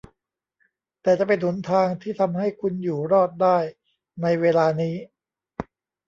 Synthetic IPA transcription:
t̪ɛː˨˩t͡ɕa˨˩pe˧nːu˩˦nt̪ʰaː˧ŋt̪ʰiː˥˩t̪ʰa˧mha˥˩jkʰu˧njuː˨˩ɾɔː˥˩t̪̚daː˥˩j | na˧jweː˧laː˧niː˦˥

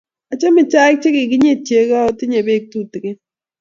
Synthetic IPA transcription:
a˨t͡ʃa˦mɪ˨t͡ʃa˦ɪ˦k̚t͡ʃe˦kɪ˨ɡɪ˦ɲe˦˨t͡ʃje˨˦ka˦o˦tɪ˦ɲe˨be˦k̚tu˦˨tke˦

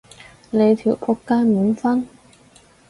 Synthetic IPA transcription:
le˨˧jt̪ʰi˨˩wpʰɔ˧˥kːaː˥miː˨˧˥nfɐ˥n

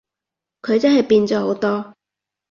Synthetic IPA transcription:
kʰɵ˨˧ɥt͡sɐ˥nɦɐ˨jpiː˧nt͡sɔː˨˥ho˨˥wt̪ɔː˥

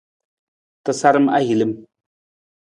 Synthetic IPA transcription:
t̪ɨ˨sa˦ɾɨ˦ma˦ɦi˨lɨ˦m

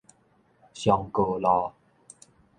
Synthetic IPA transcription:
ɕjɔ˨˩ŋko˨˩lɔ˨˧

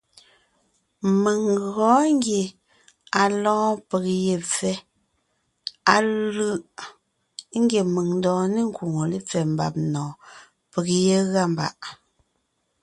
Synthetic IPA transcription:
mə˨ŋɣɔː˨˦ŋ˦ɡje˨ | a˨lɔ̃ː˦pe˨k̚je˨p͡fɛ˦ | a˨lɯ˦ʔ | ŋ̩˦ɡje˨mə˨ŋn˦dɔ̃ː˨ni˦˨ŋ̩˦ku˨ŋo˨li˦p͡fɛ˨m̩˦ba̰˨p̚nɔ̃ː˨ | pə˨k̚je˦ɣa˦˨m˨ba̰˨ʔ

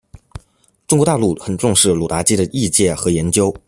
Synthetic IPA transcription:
ʈ͡ʂʊ˥ŋkwɔ˧˥t̪a˥˧lu˥˩xə˨˩nʈ͡ʂʊ˥˧ŋʂɻ̩˥˩lu˨˩t̪a˧˥t͡ɕi˥d̪ə˨ʔi˥˧t͡ɕjɛ˥˩xɤ˧˥jɛ˧˥nt͡ɕjo˥ʊ

